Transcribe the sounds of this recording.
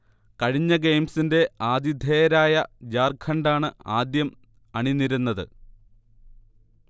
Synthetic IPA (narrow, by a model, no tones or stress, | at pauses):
kɐɻiɲːɐɡe̞jmsinde̞aːd̪id̪ʱeːɾaːjɐd͡ʑaːrkʰɐɳɖaːɳɨaːd̪jɐm | ɐɳinːiɾunːɐðɨ̰